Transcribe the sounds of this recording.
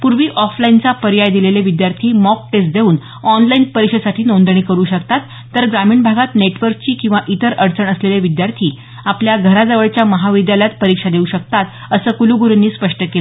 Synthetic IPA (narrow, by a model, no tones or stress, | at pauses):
puɾʋiːʔɔflaint͡sapəɾjajd̪ileleʋid̪jaɾt̪ʰiːmɔk̚ʈesd̪euːn | ɔnlainpəɾikʂəd̪saʈʰiːnond̪ɳ̃iːkəɾuːɕəkt̪at̪ːəɾɡɾamiːɳbʱaɡat̪neʈʋəɾk̚t͡ɕiːkĩw̃ʋaʔit̪əɾʔəɾt͡səɳəsleleʋid̪jaɾt̪ʰiː | apljaɡʱəɾad͡zəʋəɭt͡ɕjaməɦaʋid̪jaljat̪̚pəɾikʂad̪euɕəkt̪at̪ | əsəːkuluɡuɾənːiːspəʂʈəkelə